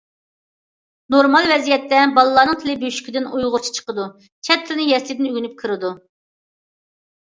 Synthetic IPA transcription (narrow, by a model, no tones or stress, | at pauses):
noɾmɑlˠvɛzijɛt̪ːɛbɑlˠɨlˠɑːnɨŋt̪ʰɪlɪbøʃy̥kʲid̪ɪnujʁʊɾt͡ʃʰi̥t͡ʃʰə̥qəd̪u | t͡ʃʰɛt̪ʰːɪlɪnɪjɛɾslʲɪd̪ɪnyɡʲynyp̚kʰəɾɨd̪u